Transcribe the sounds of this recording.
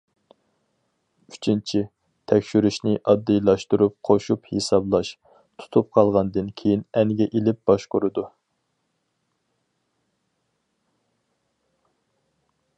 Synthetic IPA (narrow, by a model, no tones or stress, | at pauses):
yt͡ʃʰint͡ʃʰi | t̪ʰɛkʲʃyɾyʃnɪʔɑd̪ːɨjlˠɑʃt̪uɾup̚qʰoʃuphesɑblˠɑʃ | t̪ʰu̥t̪ʰup̚qʰɑlˠʁɑnd̪ɨnkʲʰejinɛŋɡʲɛʔelɪp̚b̥ɑʃqoɾɨd̪u